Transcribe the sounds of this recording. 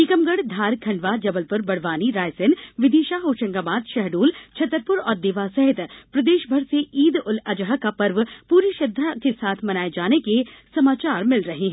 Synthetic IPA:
iːkəmɡəɽd̪ʱaːɾkʰɐ̃ɳɖʋad͡ʒɐbəlpʊɾbɐɽ̤ʋaːniɾaːjsɪnʋɪd̪iːʃaɦoːʃə̃ŋɡaːbaːd̪ʃɛɦɖuːlt͡ʃʰɐt̪ɾpʊɾɔːɾd̪ɪʋasɛɦɪt̪pɾɐd̪eːʃbʱɐɾseiːd̪ʊlɐd͡ʒɦakapɐɾʋpuːɾiːʃɐd̪ʱːakesaːt̪ʰmɐnaːed͡ʒaːnekesɐmaːt͡ʃaːɾmɪlɾɐɦeɦɛ̃ː

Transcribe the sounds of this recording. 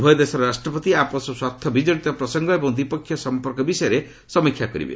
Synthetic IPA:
bʱɔjɔd̪esɔɾɾasʈɾɔpɔt̪iapɔsɔswat̪ʰːɔbid͡ʒɔɽit̪ɔpɾɔsɔŋɡɔebɔŋd̪ipɔkʰːjɔsɔmpɔɾkɔbisɔjɔɾe | sɔmikʰjakɔɾḭbḛ

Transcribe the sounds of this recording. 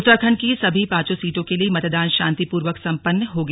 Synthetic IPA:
t̪ːɾəkʰənkisɐbʱipãːt͡ʃõsiːʈõkeliemɐt̪d̪aːnʃãːnt̪ipuːɾʋəksɐ̃mpənːəɦoɡɐ

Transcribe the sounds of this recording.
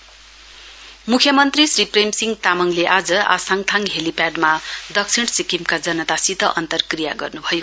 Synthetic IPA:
mukʰjʌmʌnt̪risripremsiŋɡt̪amʌŋleʔad͡zʌa̰saŋt̪ʰaŋɦelipaɖmad̪ʌk̚t͡sʰiɽ̃sikimkad͡zʌnʌt̪asit̪ʌʔʌnt̪ʌrkrijaɡʌrnubʱʌjo

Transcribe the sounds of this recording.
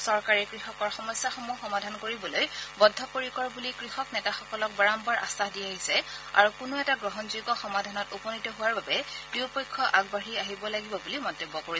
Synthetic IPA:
sɔɹkaɹɛkɹixɔkɔɹxɔmɔsjaxomuxɔmadʱankoɹibɔlojbɔdʱːɔkoɹikɔɹbulikɹixɔknɛtaxɔkɔlɔk̚baɹambaɹʔa̰staɦdiaɦisɛa̰ɹukʊnoɛtaɡɹɔɦɔnzojɡɔxɔmadʱanɔtupɔnitɔɦʊwaɹbabɛd̥iwpɔjkʰːɔʔaɡbaɹiaɦibɔlaɡibɔbulimɔtːebːɔkoɹi

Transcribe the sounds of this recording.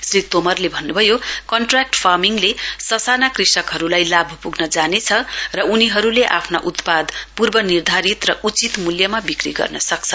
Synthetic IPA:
srit̪omʌrlebʱʌnːubʱʌjokʌɳʈrak̚ʈpʰarmiŋlesʌsanakrisʌkɦʌɾulajlabʱupuɡnʌd͡zanet͡sʰʌrʌuniɦʌɾuleʔapʰna̰ʔut̪pad̪purbʌnird̪ʱaɾit̪rʌʔut͡sit̪muljʌmabikriɡʌ̰rnʌsʌk̚t͡sʰʌ

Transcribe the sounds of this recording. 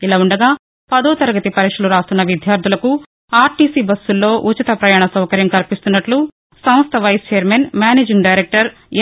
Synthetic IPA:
ilaːuɳɖɐɡaː | pɐd̪oːt̪ɐɾɐɡɐt̪ipɐɾiːkʂɐluɾaːst̪unːɐʋid̪ʱjaːɾt̪ʰulɐku | aːɾʈiːsiːbɐsːulːo̞ːʔut͡ʃit̪ɐpɾɐjaːɳɐsɐwkɐɾjɐmkɐlpist̪unːɐʈlu | sɐ̃m̃st̪ʰɐʋɐjst͡ʃeːɐɾmeːnmaːneːd͡ʒiŋɡɖɐjɾek̚ʈɐɾ

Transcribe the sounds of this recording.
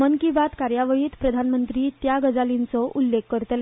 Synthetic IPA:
ənkibat̪kaɾjaʋəɭiːt̪pɾəd̪ʱanmənt̪ɾiːt̪jaɡəd͡zalint͡sɔʔulːekːəɾt̪l

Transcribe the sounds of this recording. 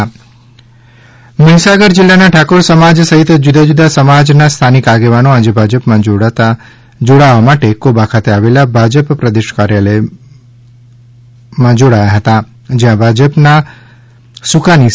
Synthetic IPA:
miɦsaɡəɾd͡ʒɪlːanaʈʰakoɾsəmad͡ʒsəɦit̪d͡ʒud̪ʱad͡ʒud̪asəmad͡ʒnast̪ʰanikaɡeʋanoad͡ʒebʱad͡ʒəpmãd͡ʒot̪a | d͡ʒoɽaʋamaʈekobakʰat̪eaʋelabʱad͡ʒəppɾəd̪eʃkaɾjalə | mãd͡ʒoɽajaɦət̪a | d͡ʒeɦãbʱad͡ʒəpna | sukani

